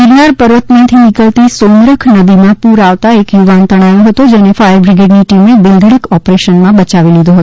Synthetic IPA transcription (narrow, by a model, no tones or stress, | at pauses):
ɪɾnaɾpəɾʋət̪mãt̪ʰinɪkəlt̪isonɾəkʰnəd̪imãpuɾaʋt̪aekjuʋant̪əɽ̃ajõɦət̪od͡ʒɛnefajɾbɾɪɡeɖniʈimeb̪ɪlɡɽəkʰɔpɾeʃənmãbət͡ʃaʋilid̪oɦət̪o